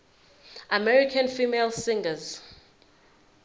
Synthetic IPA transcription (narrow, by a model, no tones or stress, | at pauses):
amɛɹikʰãnfiːmelsĩŋɡəz